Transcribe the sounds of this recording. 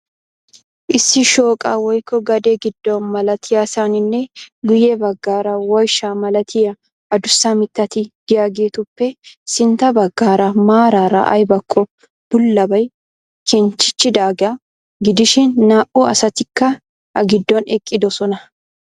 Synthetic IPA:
ʔɪsːɪʃo̞ːkʼaːwɔjkʰːɔɡɐd̪eɡɪd̪ːɔnmɐlɐt̪ʰɪjasanɪnːɛɡʊjɛbɐɡːaːɾɐwɐjʃaːmɐlɐt̪ʰɪjɐ | ɐd̪ʊsːamɪt̪ːɐt̪ɪɡ̪̥ɪjaːɡeːt̪ʊpːɛsɪnt̪ɐbɐɡːaːɾɐmaːɾaːɾɐ̰ʔɐ̰jbɐkʼːɔ | b̥ʊlːɐbɐj | kʰɛnt͡ʃːɪ̥t͡ʃːɪd̪aːɡa | ɡɪd̪ɪʃɪnːaːʔuɐsɐt̪ɪkːɐ | ɐɡɪd̪ːɔnɛkʼːɪd̪ɔsɔnɐ

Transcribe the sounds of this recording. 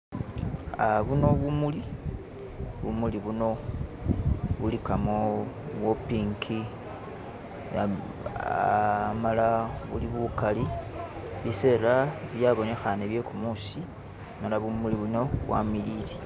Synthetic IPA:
aβuno̞βumuli | βṵmuliβuno̞ | βulikamoβwopiŋkʰi | amalaβuliβukali | βise̞ːlaβjaβo̞ne̞xaneβje̞kumusi | malaβumuliβuno̞βwa̰miliːle

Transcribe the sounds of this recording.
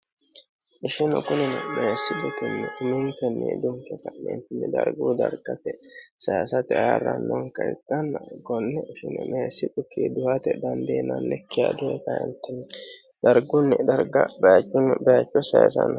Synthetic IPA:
ʔɪʃɪnɔ̰kʊnɪnɛmesːɪb̪ʊk̪ɪnːɛmɪnt̪ɛnːɛ̰d̪ʊŋkːɛt̪ɐnɛ̰nt̪ːɪnːɛd̪ɐ̰ɾɡuːd̪ɐɾɡɐt̪ɛsɐjasɐt̪ɪarːɐ̰nːoŋkɐɪ̰t̪ʼːɐnːɐɡɔnːɛʔɪʃɪnɛmesːɪt̪ʼʊkid̪ʊhɐt̪ɛd̪ɐnd̪eːnɐnːɛkːɪjad̪ɛɛt̪ɐɛ̰nt̪ːɛnɛd̪ɐɾɡʊnːɛd̪ɐɾɡɐbɐjɐt͡ʃʼːʊnbɐjɐt͡ʃːɔsɐja̰sɐ̰nɐ

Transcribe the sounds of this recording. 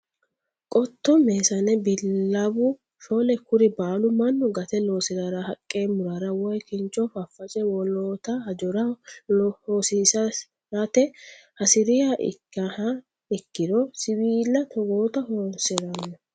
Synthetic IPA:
kʼɔt̪ːɔmeːsɐnɛbɪlːɐbʊ | ʃolɛkʊɾɪbaːlʊmɐnːɔɡɐt̪ɛloːsɪɾɐɾɐhɐkʼːe̞ːmʊɾɐɾɐwɔjkɪnt͡ʃɔfɐfːɐt͡ʃɛwɔloːt̪ɐhɐd͡ʒɔɾɐ | hoːsisɐ | ɐt̪ɛhɐsɪɾɪjaʔɪ̰ɐɐ | ɪkːɪd̪ɔsɪwiːlːɐt̪ʰɔɡoːt̪ɐhoːnsɪɾɐnːɐ

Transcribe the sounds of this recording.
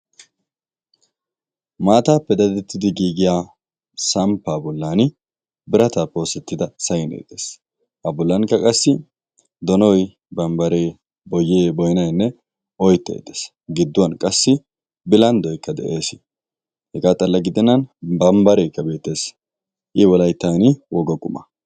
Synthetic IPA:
maːt̪aːpːɛd̪ɐd̪ɛt̪ːɪd̪ɪɡiːɡɪjaː | sɐmpːaːbɔlːaːnɪ | bɪɾɐt̪aːpːɛoːsɛt̪ːɪd̪ɐsɐjɪnḛːt̪ʼːeːs | hɐbɔlːɐnkːɐkʼɐsːɪ | d̪ɔnɔj | bɐmbɐɾeː | bɔjːeːbɔjnɐjnːɛ | ɔjt̪ːɛ̰jd̪e̥ːs | ɡɪd̪ːʊwɐnkʼɐsːɪ | bɪlɐnd̪ɔjkːɐd̪ɛ̰ʔe̞ːsɪ | hɛɡaːt̪ʼɐlːɐɡɪd̪ɛnɐnbɐmbɐɾeːkːɐbe̞ːt̪ːe̞ːs | ʔɪwɔlɐjt̪ːaːnɪwɔɡɔkʼʊmɐ̰

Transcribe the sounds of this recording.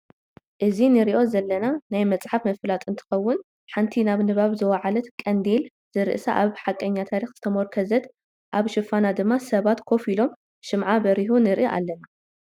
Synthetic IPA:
ʔɨzinɨɾiʔo̞zɐlːɐnanajmɐt͡sʼħafmɐflat̪ʼɨnt̪ʰɨ̥xɐwːʊn | ħant̪ʰinaβnɨβaβzɨwɐʕalɐt̪kʼɐnd̪el | z̥ɨɾɨ̰ʔsaʔaβħakʼːɐɲːat̪ʰaɾixz̥ɨt̪ʰɐmoɾkʰɐzɐt̪ | ʔaβʃɨfanad̪ɨmːasɐβat̪kʰo̞filo̞m | ʃɨmʕabɐɾiɦonɨɾʔiʔa̰lːɐna

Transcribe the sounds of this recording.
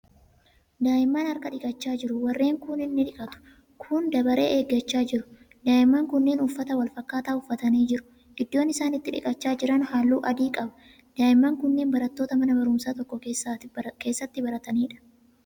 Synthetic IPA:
d̪aːjɪmːaːnɐɾkɐᶑɪkʼɐt͡ʃːaːd͡ʒɪɾʊwɐrːe̞ːŋkʊnɪnːɪᶑɪkʼɐt̪ʊ̥ | kʰʊnd̪ɐbɐɾe̞̰ːʔeːɡːɐt͡ʃːaːd͡ʒɪɾʊ̥ | d̪aːjɪmːaːŋkʊnːeːnʊfːɐt̪ɐwɐlfɐkːaːt̪aːʊfːɐt̪ɐniːd͡ʒɪɾʊ̥ | ʔɪd̪ːo̞ːnɪsaːnɪt̪ːɪᶑɪ̰kʼɐt͡ʃːaːd͡ʒɪɾɐnhaːlːuːʔɐd̪iːkʼɐbɐ | d̪̥aːɪmːaːŋkʊnːeːnbɐɾɐt̪ːo̞ːt̪ɐmɐnɐbɐɾʊmsaːt̪ɔkːɔesake̞ːsːɐt̪ːɪbɐɾɐt̪ɐniːᶑɐ̥

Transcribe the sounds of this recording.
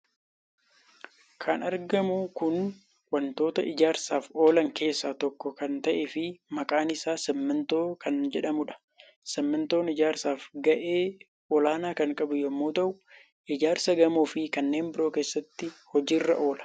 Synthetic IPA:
kʰɐnɐɾɡɐmʊkʊn | wɐnt̪o̞ːt̪ɐɪd͡ʒaːɾsaːfo̞ːlɐŋke̞ːsːaːt̪ɔkːɔkɐnt̪ɐʔɛfɪmɐkʼaːnɪsaːsɛmːɐnt̪o̞ːkɐnd͡ʒɛᶑɐmʊᶑɐ̥ | sɛmːɐnt̪o̞ːnɪd͡ʒaːɾsaːfɡɐʔe̞ː | ɔlaːnaːkɐŋkʼɐbʊjɛmːoːt̪ɐʔʊ | ʔɪd͡ʒaːɾsɐɡɐmuːfɪkɐnːeːmbɪɾoːke̞ːsːɐt̪ːɪhɔd͡ʒiːrːɐ̰ʔo̞ːlɐ̥

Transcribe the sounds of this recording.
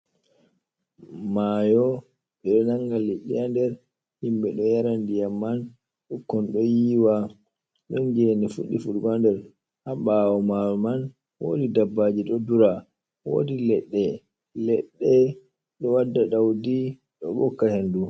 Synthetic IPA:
maːjɔ | ɛɗɔnaŋɡaleɗijandɛɾ | himɓɛɗɔjaɾandijamːan | ɗɔkːɔnɗɔjiːwa | ɗɔnd͡ʒɛnɛfuɗːifuɾɡandɛɾ | haɓawɔmajɔman | wo̰ːdidabːad͡ʒiɗɔduɾa | wo̰ːdilɛɗːɛ | lɛɗːɛ | ɗɔwadːaɗawdi | ɗɔ̰ɓɔkːahendu

